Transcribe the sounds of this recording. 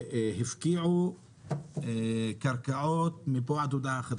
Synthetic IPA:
hɪfkiːʕu | kaɾˤkaʔoːt̪̚mɪbaʕd̪ud̪axad̪

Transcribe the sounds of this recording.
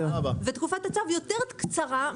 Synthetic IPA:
abavet̪kufat̪hat͡savjo̞t̪eʁkt͡saʁa

